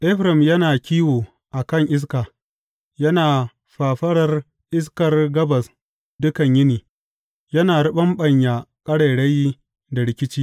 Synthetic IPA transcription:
ʔɛ˦ɸɾɐ˨mjɐ˦naː˨kʲiː˦woː˨ | ʔa˨kɐ˦˨ŋʔɪ˦s̬kaː˨ | jɐ˦naː˨ | ɸaː˨ɸɐ˦ɽɐ˦r | ʔɪ˦s̬kɐ˨rɡɐ˦bɐ˨s | dʊ˦kɐ˨ɲjɪ˦niː˨ | jɐ˦naː˨ɽʊ˦ɓɐ˦mɓɐ˨ɲjaː˨kʼɐ˦ɽɐ˨ɽɐ˦j | da˨ɽɪ˦kʲɪ˦t͡ʃiː˦

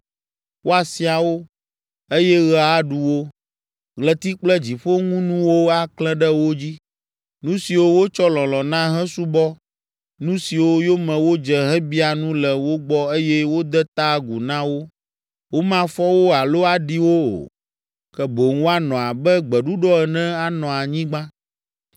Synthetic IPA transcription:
wʔo˦a˨si˨a˨wo˦ | e˦jɛ˦ɣɛ˨a˦ɖu˦wo˦ | ɣlɛ˨t̪i˦k͡plɛ˦d͡ʑi˨ɸo˦ŋũ˦nũ˦wo˦a˨klɛ̃˦ɖɛ˦wo˦d͡ʑi˦ | nũ˦si˨wo˦wo˦t͡ʃɔ˦lɔ̃˨lɔ̃˨nã˦ɦɛ̃˦su˦bɔ˦ | nũ˦si˨wo˦jo˦mɛ̃˨wo˦d͡ʒɛ˨ɦɛ̃˦bi˦a˨nũ˦lɛ˨wo˦ɡ͡bɔ˦e˦jɛ˦wo˦d̪ɛ˦t̪a˦ɡu˨nã˦wo˦ | wo˦mã˨fɔ˦wo˦a˨lo˦a˨ɖi˦wo˦o̰˨ | kɛ˦bo˨ŋ˦o˦a˦nɔ̃˨a˨bɛ˦ɡ͡bɛ˨ɖu˦ɖɔ˦ɛ˨nɛ̃˦a˦nɔ̃˨a˨ɲĩ˦ɡ͡bã˦

